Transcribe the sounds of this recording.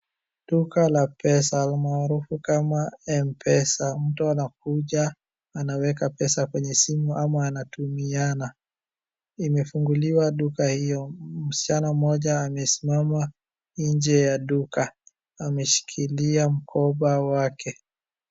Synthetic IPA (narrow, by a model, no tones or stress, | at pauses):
ɗukalapɛsalmaːɾufukamaɛmpʰɛsam̩tuanak̚uʄa | anawɛkapɛsakwɛɲɛsimuʔamaːnatumiana | imɛfuŋɡuliwaɗukahijɔm̩si̥t͡ʃanam̩ɔʄaːmɛsi̥mama | iɲd͡ʒɛjaɗuka | amɛʃi̥kʰiliam̩kʰɔɓawakʰɛ